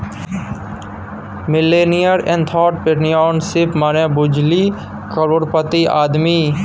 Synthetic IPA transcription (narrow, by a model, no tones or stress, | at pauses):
mɪleːnijəɾɛ̃nt̪ʰɔːʈ̚pɪɾnijɔːnsɪpmanẽbʊd͡ʒli | kəɾoːɽpət̪iʔaːd̪miː